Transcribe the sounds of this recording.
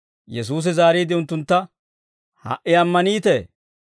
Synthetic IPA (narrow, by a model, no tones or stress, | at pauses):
jɛs̬uːs̬ɛzaːɾiːd̪ɪʊnt̪ːʊnt̪ːɐ | hɐ̰ʔɪɐmːɐniːt̪eː